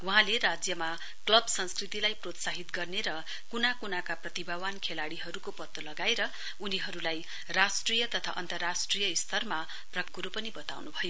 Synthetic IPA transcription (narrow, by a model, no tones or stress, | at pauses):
wuɦãleɾad͡zjʌma | klʌbsʌnskrit̪ilajprot̪saɦit̪ɡʌrneɾʌ | kunakunakaprʌt̪ibʱawankʰelaɽiɦʌɾukopʌt̪ːolʌɡaeɾʌ | uniɦʌɾulaj | rasʈrijʌt̪ʌt̪ʰa̰ʔʌ̰nt̪ʌrːasʈrijʌist̪ʰʌrma | prʌkuɾopʌnibʌt̪a̰wnubʱʌjo